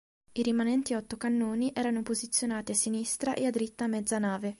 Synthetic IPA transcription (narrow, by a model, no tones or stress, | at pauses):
iɾimanɛnt̪iɔt̪ːokanːoːniʔɛːɾanopozit̪sːjonaːt̪iasːinist̪ɾaʔḛad̪ːɾit̪ːamːɛd̪zːanaːve